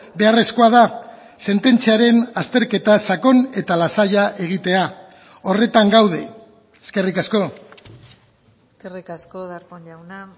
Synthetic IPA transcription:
be̞are̞sko̞að̞a | se̞nt̪e̞nt͡siaɾe̞nast̪e̞ɾke̞t̪asako̞ne̞t̪alasaʎaʔe̞ɣ̞it̪e̞a | o̞re̞t̪aŋɡawðe̞ | eske̞rikasko̞ | eskerikaskoðaɾkoɲʎawna

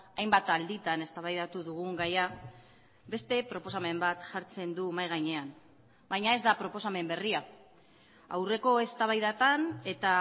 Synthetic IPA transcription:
ajmbat̪ald̪it̪ane̞st̪aβajðat̪uðuɣ̞uŋɡaja | be̞st̪e̞pɾo̞po̞same̞mbat̪ʝaɾt͡se̞nd̪umajɣ̞ajɲe̞an | bajɲae̞zd̪apɾo̞po̞same̞mbe̞ria | awre̞ko̞e̞st̪aβajðat̪ane̞t̪a

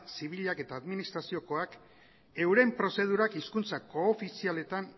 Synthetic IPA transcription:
siβ̞iʎake̞t̪aːðminist̪ɾasio̞ko̞ak | e̞wɾe̞mpɾo̞se̞ð̞uɾakiskunt͡sako̞ːfisiale̞t̪an

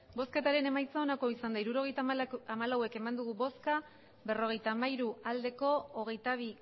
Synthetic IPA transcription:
bo̞ske̞t̪aɾe̞ne̞majt͡saonako̞isand̪aiɾuɾo̞ɣ̞e̞jt̪aamalawe̞ke̞mand̪uɣubo̞ska | be̞ro̞ɣ̞e̞jt̪aːmaiɾuald̪e̞ko̞oɣ̞e̞jt̪aβ̞i

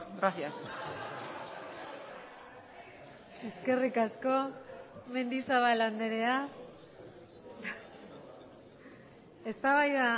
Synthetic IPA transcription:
ɡɾaθias | e̞ske̞rikasko̞me̞nd̪isaβaland̪e̞ɾe̞a | e̞st̪aβajða

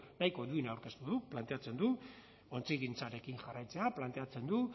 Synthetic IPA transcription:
najko̞d̪uinawɾke̞st̪uðuplant̪e̞at͡se̞nd̪u | o̞nt͡siɣint͡saɾe̞kiŋxarajt͡se̞aplant̪e̞at͡se̞nd̪u

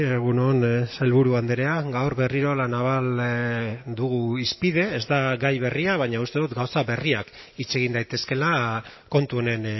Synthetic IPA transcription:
eɣunonsajlβuɾuand̪eɾe̞aɡawɾβe̞riɾo̞lanaβ̞al | d̪uɣuispið̞e̞ːzd̪aɡajβe̞riaβ̞aɲaust̪e̞ðut̪ɡawsaβe̞riak | it͡se̞ɣ̞ind̪ajt̪e̞ske̞lako̞nt̪uo̞ne̞n

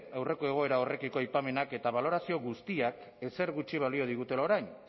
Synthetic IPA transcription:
awre̞ko̞e̞ɣ̞o̞e̞ɾao̞re̞kiko̞ajpame̞nake̞t̪aβ̞alo̞ɾasio̞ɣust̪iak | e̞se̞ɾɣut͡ʃiβ̞alio̞ð̞iɣ̞ut̪e̞lao̞ɾajn

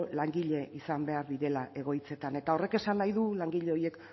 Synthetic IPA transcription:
laŋɡiʎe̞ʔisambe̞aɾðiɾe̞laʔe̞ɣ̞o̞jt͡se̞t̪ane̞t̪ao̞re̞ke̞sanːajðulaŋɡiʎe̞o̞je̞k

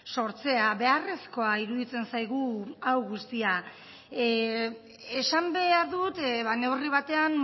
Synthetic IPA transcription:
so̞ɾt͡se̞aβe̞are̞sko̞aiɾuðit͡se̞nsajɣ̞uawɣust̪ia | esambe̞aɾðut̪βane̞wriβ̞at̪e̞an

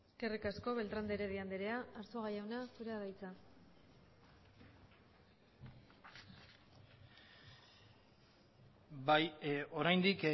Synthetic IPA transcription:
kerikasko̞βe̞lt̪ɾand̪eɾeð̞iand̪eɾe̞aːɾsoɣajawnasuɾeaðajt͡sa | bjo̞ɾajnd̪ik

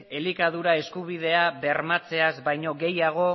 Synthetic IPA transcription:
elikaðuɾae̞skuβiðe̞aβe̞ɾmat͡se̞azbajɲo̞ɣe̞jaɣ̞o̞

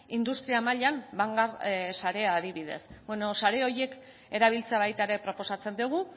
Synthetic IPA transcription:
ind̪ust̪ɾiamaʎambaŋɡaɾsaɾe̞aːðiβiðe̞̰sbweno̞saɾe̞o̞je̞k | e̞ɾaβ̞ilt͡seaβajt̪aeɾe̞pɾo̞po̞sat͡se̞nd̪uɣ̞u

